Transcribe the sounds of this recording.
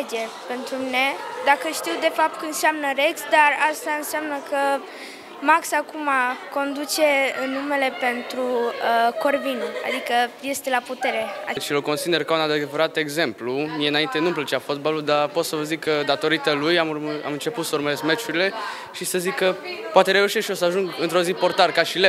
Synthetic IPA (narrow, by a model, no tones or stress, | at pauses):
d͡ʒe | pe̞nt̪ɾumine̞d̪akəʃt̪iwd̪e̞fap̚t̪̚kəɨnseamnəɾeksd̪arast̪aɨnseamnəkə | maksakumako̞nd̪ut͡ʃe̞ɨnːume̞le̞pe̞nt̪ɾuəko̞rvinua̰d̪ikəje̞st̪e̞laput̪e̞ɾe̞at͡ʃiloko̞nsid̪e̞rkaunad̪eveɾat̪e̞ɡze̞mplumijeɨnaint̪enumplət͡ʃeafot̪̚baluld̪arpo̞t̪səvəzikːəd̪at̪o̞ɾit̪əlujamura̰mɨnt͡ʃe̞put̪səuɾməɾesmet͡ʃuɾile̞ | ʃisəzikːəpoat̪eɾe̞uʃesʃiosəaʒuŋɡɨnt̪ɾo̞zipo̞rt̪arkaʃile